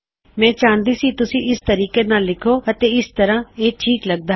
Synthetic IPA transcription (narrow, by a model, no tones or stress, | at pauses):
mɛ̃ːt͡ʃãːnd̪iːsiːt̪ʊsĩːʔɪst̪əɾiːkeːnaːlːɪkʰoːət̪eːɪst̪əɾãːeːʈʰiːkləɡ̚d̪aː